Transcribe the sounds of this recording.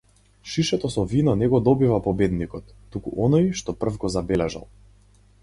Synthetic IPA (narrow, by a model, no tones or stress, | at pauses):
ʃiʃɛt̪ɔsɔvinɔnɛɡɔd̪ɔbivapɔbɛd̪nikɔt̪ːukṵʔɔnɔjʃt̪ɔpr̩fɡɔzabɛlɛʒa̰lˠ